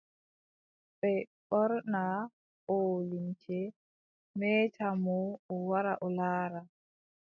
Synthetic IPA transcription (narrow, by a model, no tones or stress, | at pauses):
ɓɛɓɔɾna | ɔlimt͡ʃɛ | mɛːtʰamɔɔwaɾaʔɔlaːɾa